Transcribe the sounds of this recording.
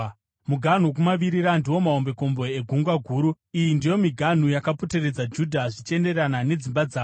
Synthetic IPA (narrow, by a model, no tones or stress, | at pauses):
muɡʱan̤uk̬umaʋiɾirandiwo̞mao̞mbe̞ko̞mbo̞eɡʱuŋɡwaɡʱuːɾu | ijindijo̞miɡʱan̤ujakapo̞te̞re̞d͡zad͡ʒudʱaʐit͡ʃe̞nde̞ranane̞d͡zimbad͡zaːo